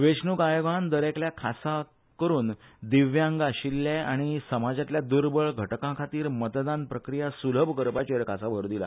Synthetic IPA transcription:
ʋeʂnukajʋand̪əɾekljakʰasa | kəɾuːnd̪iʋjãŋɡaɕilːaaɽ̃isəmad͡zat̪ljad̪uɾbəɭɡʱəʈkãkʰat̪iːɾmət̪d̪anpɾəkɾijasuləbʱkəɾpat͡ɕeɾkʰasabʱəɾd̪ila̰

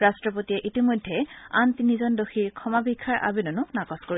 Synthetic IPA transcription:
ɹastɹɔpotiɛʔitimojdʱːɛantinizɔndoxʰiɹkʰɔmabikʰːaɹʔa̰binɔnʊnakɔskoɹi

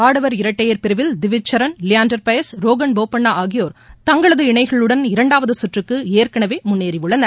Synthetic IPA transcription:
aːɽɐʋɐɾɪɾɐʈːɐjɐɾpɪɾɯʋɪld̪ɪʋɪt͡ʃːɐɾɐnlɪjaːnɖɐɾpɐjɐsɾoːɣɐɳboːpːɐɳːaːʔaːɣɪjoːɾt̪ɐŋɡɐɭɐðɯɪɳɐɪɣɐɭɯɽɐnɪɾɐɳɖaːʋɐðɯsʊʈrɯkːɯeːɾkɐɳɐʋeːmʊnːeːɾiʋɯɭːɐnd̪ɐ

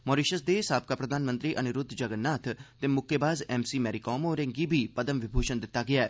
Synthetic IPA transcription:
moːɾiʃəsd̪eːsaːb̚kaːpɾəd̪ʱaːnmə̃nt̪ɾiːʔənʊɾʊd̪ʱːd͡ʒəɡənːaːt̪ʰt̪emʊkʰːebaːzɛːmsiːmɛːɾikɔːmoːɾɪ̃ŋɡiːbʱiːpəd̪əmʋɪbʱuːʃənd̪ɪt̪ːaːɡɪaɛː

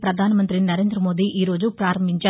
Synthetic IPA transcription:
pɾɐd̪ʱaːnɐmɐnt̪ɾinɐɾe̞ːnd̪ɾɐmoːd̪iiːɾo̞ːd͡ʒupɾaːɾɐmbʱiɲt͡ʃaː

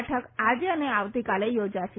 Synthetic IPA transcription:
ʈʰəkad͡ʒeəneaʋt̪ikalejod͡ʒaʃe

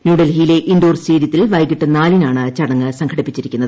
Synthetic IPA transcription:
njuːɽɐlhijle̞ʔinɖoːrst͡ɕeːɾjɐt̪ːilʋɐjkiʈːɨnaːlinaːɳɨt͡ɕɐɽɐŋːɨsɐŋkʰɐɽipːit͡ɕːiɾikʲːunːɐðɨɨ

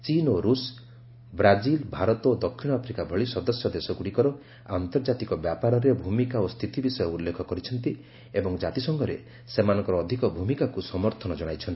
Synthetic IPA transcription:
t͡ʃinoɾus | bɾad͡ʒilbʱaɾɔt̪ɔod̪ɔkʰːiɽ̃ɔapʰɾikabʱɔɭisɔd̪ɔsjɔd̪esɔkuɽikɔɾɔ | ant̪ɔɾd͡ʒat̪ikɔbjapaɾɔɾebʱumikaost̪ʰit̪ibisɔjɔulːekʰɔkɔɾit͡ʃʰɔnt̪i | ebɔŋd͡ʒat̪isɔŋɡɔɾḛ | semanɔ̃ŋkɔɾɔːd̪ʱikɔbʱumikakusɔmɔɾt̪ʰɔnɔd͡ʒɔɽ̃ajt͡ʃʰɔnt̪i̥

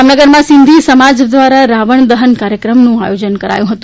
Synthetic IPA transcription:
mnəɡəɾmãsɪnd̪ʱisəmad͡ʒd̪ʋaɾaɾaʋəɳd̪əɦənkaɾjəkɾəmnũa̰jod͡ʒənkəɾa̰jũɦət̪ũ

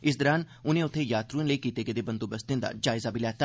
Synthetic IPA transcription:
ɪsd̪əɾaːn | ʊnẽːʊt̪ʰːejaːt̪ɾũnləikiːt̪eked̪eːbə̃nd̪obəst̪ẽd̪a̰ːd͡ʒaːɪzabʱiːlɛːt̪a

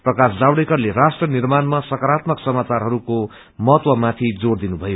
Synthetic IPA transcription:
prʌkasd͡zawɽekʌrlerasʈrʌnirmanmasʌkʌɾat̪mʌksʌmat͡sarɦʌɾuko | mʌɦʌt̪wʌmat̪ʰid͡zord̪inubʱʌjo

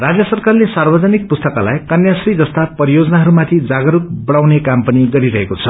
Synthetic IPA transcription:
rad͡zjʌsʌrkarlesarbʌd͡zʌnik̚pust̪ʌkala̰jkʌnjasrid͡zʌst̪apʌɾijod͡zʌnaɦʌɾumat̪ʰid͡zaɡʌɾuk̚bʌɽawnekampʌniɡʌɾiɾʌɦekot͡sʰʌ

